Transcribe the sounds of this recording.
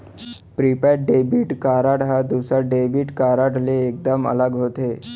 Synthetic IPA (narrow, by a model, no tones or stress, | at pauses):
pɾipaɖebiʈkaɾaɽɦad̪iwsaɖebiʈkaɾaɽleːk̚d̪əmə̰ləɡɦot̪e